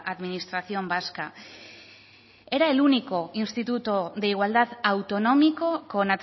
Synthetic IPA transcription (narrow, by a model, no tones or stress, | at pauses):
ʔaðminist̪ɾaθio̞mbaska | e̞ɾae̞luniko̞inst̪it̪ut̪oðe̞iɣwald̪aðawt̪o̞no̞miko̞ko̞nat̪